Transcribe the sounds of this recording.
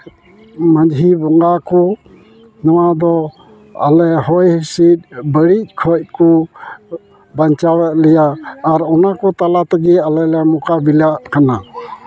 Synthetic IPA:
məd͡ʒɦibɔŋɡakɔ | nɔwad̪ɔ | a̰lɛɦɔjhisit̪̚bəɽic̚ˀkʰɔc̚kɔ | baɲt͡ʃawɛʔ̪lɛjaːɾɔnakɔt̪alat̪ɛɡɛalɛlɛmɔkabilaʔkana

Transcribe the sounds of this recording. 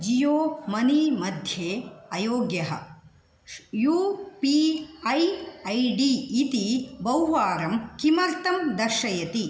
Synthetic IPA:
d͡ʒijoːmɐnimɐd̪ʱjeːɐjoːɡjɐɦɐ̰ | jupiɐjɐjɖiːt̪ibɐwʋaːɾɐmkimɐɾt̪ɐmd̪ɐʃɐjɐt̪i

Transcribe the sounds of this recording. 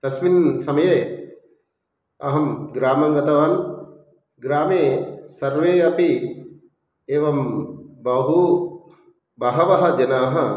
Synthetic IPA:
t̪ɐsminsɐmɐje | ɐɦɐmɡɾaːmɐŋɡɐt̪ɐʋaːn | ɡɾaːmeːsɐɾʋeːɐpi | eːʋɐmbɐɦu | bɐɦɐʋɐɦɐ̆d͡ʒɐnaːɦɐ

